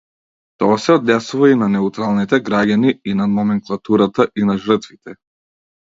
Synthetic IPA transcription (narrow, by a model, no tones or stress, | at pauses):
t̪ɔasɛɔd̪nɛsuvainanɛut̪ɾalˠnit̪ɛɡɾaɟʲaniinanɔmɛŋklˠat̪uɾat̪aʔinaʒr̩t̪vit̪ɛ